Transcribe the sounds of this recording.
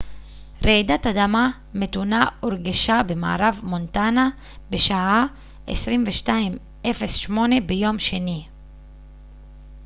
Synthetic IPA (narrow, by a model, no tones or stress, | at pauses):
ʁed̪at̪ad̪ama | met̪unaoɾɡaʃabema̰ʕa̰ɾavmont̪ana | beʃaʔa | ʔḛsʁimveʃtaim | ʔefesʃmo̞ne̞bejo̞mʃeni